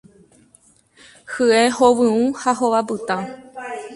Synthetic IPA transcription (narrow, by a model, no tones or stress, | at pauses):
hɨehoʋɨ̃ũhaɦoʋabɨt̪ã